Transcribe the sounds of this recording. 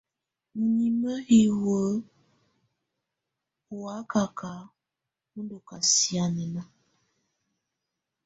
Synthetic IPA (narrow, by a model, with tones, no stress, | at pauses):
n̩˨ni˨mə˦i˨wə˨˦ | u˨wa˨˦ka˨ka˨˦ | u˦ndo˨ka˨si˨˦a˨nɛ˨na˦